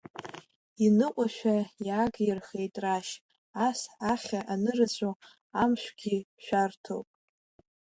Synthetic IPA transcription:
inɨqʷʼaʃᶣajaːɡjɪrχe̞jtʼraʃ | asaχʲaʔanɨrat͡ɕʷʰʼo | amʃʷᶣɡʲiʃᶣartʰo̰wpʼ

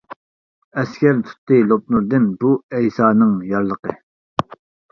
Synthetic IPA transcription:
ɛskʲɛɾt̪ʰu̥t̪ːɨlˠop̚nuɾd̪ɪnbuɛjsɑːnɨŋjɑɾlˠəqə̰

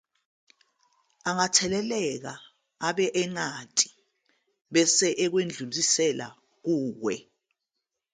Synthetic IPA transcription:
aŋatʰɛlɛlɛk̬a | aɓɛʔɛŋatʼi̥ | ɓɛsɛʔɛk̬wend͡ɮʱulisɛla̰ | k̬uːwɛ

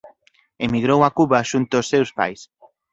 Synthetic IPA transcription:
emiɣɾowakuβaʃunt̪ʊːsːewspa̰js

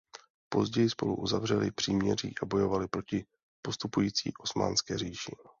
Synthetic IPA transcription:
po̞̰zɟɛjɪspo̞̰luʔuzavr̝ɛlɪpr̥iːmɲɛriːʔabo̞jo̞valɪpɾo̞cɪ | po̞st̪upujiːt͡sḭːʔo̞sma̰ːnskɛːriːʃɪ

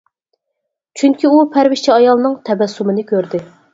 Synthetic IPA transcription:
t͡ʃʰyŋkʲʰiupʰæɾvɪʃt͡ʃʰɛɑjɑlˠnɨŋt̪ʰɛbɛsːumɨnɪkʲʰøɾd̪ɪ

